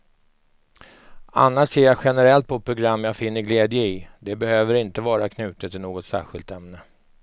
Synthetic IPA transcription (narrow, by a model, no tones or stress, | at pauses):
a̰nːaʂseːɾjaɧɛnəɾɛlt̪̚pʰɔpʰɾʊɡɾamːjaːɡfɪnːəɾɡleːd̪jəɪd̪ɛbɛhøːvəɾɪnt̪əvɑːɾakʰnʉ̟ːt̪ət̪ʰːɪlnoːɡɔt̪sæ̰ːɧɪ̰lt̪ɛmnə